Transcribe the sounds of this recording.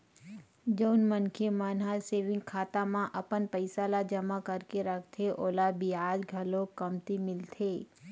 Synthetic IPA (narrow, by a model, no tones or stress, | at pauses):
d͡ʒəːnmənkʰemənɦaseːʋɪ̃ŋɡ̚kʰaːt̪amãʔɐpənpəɪsaːlad͡ʒɐmakəɾkeɾəkʰt̪ʰeʔoːlabʱiaːd͡ʒɡʱɐlõkɐmt̪imɪlt̪ʰeː